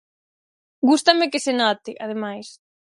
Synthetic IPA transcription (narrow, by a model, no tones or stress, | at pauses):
ɡust̪ɐmɪkɪsenɔt̪ɪʔað̞emajs